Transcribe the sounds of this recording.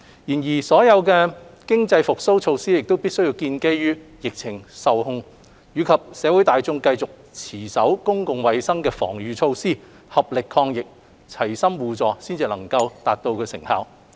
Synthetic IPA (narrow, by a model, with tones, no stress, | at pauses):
jiː˨˩njiː˨˩sɔː˨˥jɐ˨˧wkɛː˧kɪ˥ŋt͡sɐ˧jfʊ˨k̚so˥wt͡ʃʰo˧wsiː˥jɪ˨k̚t̪o˥wpiː˥t̚sɵ˥ɥjiː˧wkiː˧nke˥jɥyː˥jɪ˨k̚t͡sʰɪ˨˩ŋsɐ˨whʊ˧ŋ | jyː˨˧kʰɐ˨p̚sɛː˨˥wu˨˥jt̪aː˨jt͡sʊ˥ŋkɐ˧jt͡sʊ˨k̚t͡sʰiː˨˩sɐ˨˥wkʊ˥ŋkʊ˨ŋwɐ˨˧jsɐ˥ŋkɛː˧fɔ̰ː˨˩ŋjyː˨t͡sʰo˧wsiː˥ | hɐ˨p̚lɪ˨kʰːɔː˧ŋjɪ˨k̚ | t͡sʰɐ˨˩jsɐ˥mwuː˨t͡sɔː˨˧si˥nt͡siː˧lɐ˨˩ŋkɐ˧wt̪aː˨t̚t̪o˧wkʰɵ˨˧˥sɪ̰˨˩ŋha̰ː˨˩w